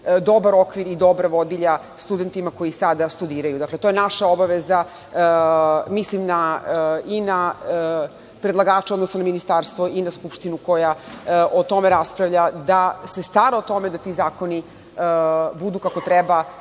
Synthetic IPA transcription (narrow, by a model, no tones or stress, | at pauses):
d̪o̞baɾo̞kʋiɾid̪o̞bɾaʋo̞d̪iʎa | st̪ud̪e̞nt̪imako̞jisad̪ast̪ud̪iːɾajud̪aklet̪o̞jenaʃao̞baʋeza | mislimna | ina | pɾed̪lˠaɡaːt͡ʃeo̞d̪nosanaminist̪aɾst̪ʋoʔinaskupʃt̪inuko̞jaʔot̪o̞meɾaspɾaʋʎad̪ase̞st̪vaɾaot̪o̞me̞d̪at̪izaːko̞ni | bud̪uːkako̞t̪ɾɛba